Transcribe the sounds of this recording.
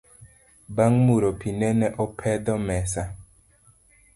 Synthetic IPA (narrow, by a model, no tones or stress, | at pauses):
baŋmuɾopʰinɛnɛʔɔpʰɛdɔmɛsa